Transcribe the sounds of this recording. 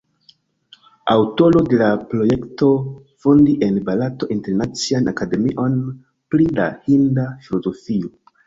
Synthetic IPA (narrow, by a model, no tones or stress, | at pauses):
a̰wto̞lo̞de̞lapɾo̞je̞kto̞ | fo̞ndiʔe̞nbalato̞ʔinte̞ɾnat͡sianʔakade̞miʔo̞n | plida̰hindafilo̞zo̞fio